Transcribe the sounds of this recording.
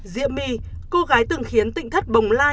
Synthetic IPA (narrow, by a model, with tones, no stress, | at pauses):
zḭ˧˨əmːḭ˧˩ | ko˧ɣaː˨˦jt̪ɨ˨˩ŋxi˨˦ənt̪ḭ˧˨ŋ̟t̪ʰə˦˥t̚ɓə˨˩wŋ͡mlaː˧